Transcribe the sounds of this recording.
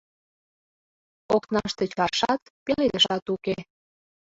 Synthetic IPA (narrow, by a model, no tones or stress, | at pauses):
oknɑʃt̪et͡ɕɑʃɑt̪peled̪əʃɑt̪uke